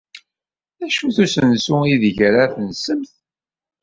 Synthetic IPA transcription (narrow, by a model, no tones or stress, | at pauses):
æʃuθusənsʊiðʝɾaθənsəmθ